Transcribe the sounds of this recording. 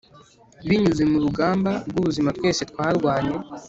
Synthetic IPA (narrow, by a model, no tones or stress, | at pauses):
βiɲuzemuɾuɡaːmbaɾɡuβuzimatkwe̞ːse̞twaːɾɡwaːɲe̞